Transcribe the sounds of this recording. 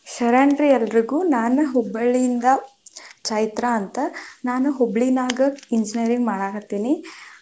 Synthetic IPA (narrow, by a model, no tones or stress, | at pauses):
ʃɐɾaːɳɖɾiɛlːɐɾiɡuːnaːnɐɦɔbːɐɭiind̪ɐt͡ʃaːjit̪ɾɐːnt̪ɐnaːnuɦobɭinaːɡɐiɲd͡ʒiniɐɾiŋɡmaːɽaːɡut̪ːiːni